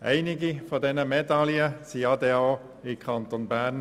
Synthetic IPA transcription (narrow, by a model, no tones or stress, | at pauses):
æ̰ɪnɪɡifɔdɛnəmɛdɑljət͡siɑdeɑː | ɪkʰɑnt̪onbæːɾn